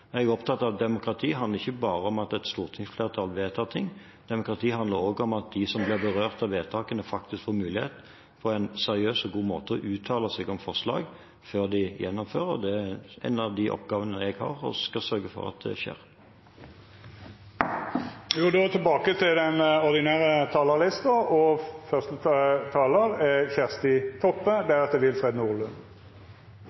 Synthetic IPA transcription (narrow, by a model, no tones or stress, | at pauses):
ɛɡɔpt̪ʰɑt̪ːɑʋd̪ɛmʊkʁɑt̪ʰiːɦɑnd̪əʁɪçəbɑːʁəɔmɑt̪ɛt̪st̪uːʁt̪ʰɪŋsfleːʁət̪ʰɑlʋeːt̪ʰɑːt̪ʰɪŋː | d̪̥ɛmʊkʁɑt̪ʰiːɦɑnd̪əɾoːɡɔmɑt̪̚d̪ɪsɔmblɪʁbəʁøːʁt̪ɑʋʋeːt̪ʰɑːkənəfɑkt̪ɪskfoːɾmʉːlɪheːt̪ | pʰɔɛɪnsɛʁɪøːsɔɡuːmoːt̪əɔʔʉːt̪ʰɑːləsɛɡɔmfɔʁʂlɑ̰ːɡ | føːʁd̪ɪjɛnːɔmføːʁəʁd̪ɛɛ̰nːɑd̪ɪʔɔ̰pɡɑːʋənəɛɡhɑ̰ːʁɔ̰skɑlsœɾɡəfɔ̰ʁɑ̰t̪̚d̪ɛ̰ʃḛːʁ | juːd̪ot̪ʰɪlbɑːkət̪ʰɪld̪ɛnɔʁd̪ɪnæːʁət̪ʰɑːləʁlɪst̪əɔfœʁst̪ət̪ʰɑːləɾɛçæʁst̪ɪt̪ʰɔpːəd̪ɛæʁɑt̪̚d̪ɛʋɪlfʁɛd̪nuːʁlʉn